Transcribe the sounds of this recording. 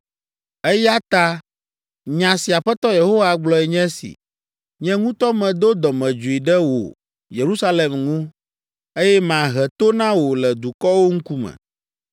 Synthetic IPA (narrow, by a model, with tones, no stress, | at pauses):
ɛ˦ja˦t̪a˦ | ɲã˨si˨a˨ɸɛ˦t̪ɔ˦je˨ɦo˦wa˨ɡ͡blɔ˦ɛ˨ɲɛ̃˦sḭ˨ | ɲɛ̃˦ŋũ˦t̪ɔ˦mɛ̃˨d̪o˦d̪ɔ˨mɛ̃˨d͡ʒu˨i˨ɖɛ˦wo̰˨ | je˨ɾu˦sa˦le˨mŋũ˦ | e˦jɛ˦m˨ã˨ɦɛ˨t̪o˦nã˦wo˨lɛ˨d̪u˨kɔ˦wo˦ŋ̩˦ku˦mɛ̰̃˨